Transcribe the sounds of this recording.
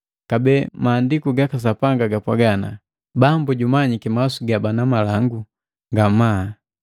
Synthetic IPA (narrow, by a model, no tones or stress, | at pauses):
kabɛmaːndikuɡakas̬apaŋɡaɡapwaɡana̰ | bambuɟumaɲikimasuɡabanamalaŋɡu | ŋɡama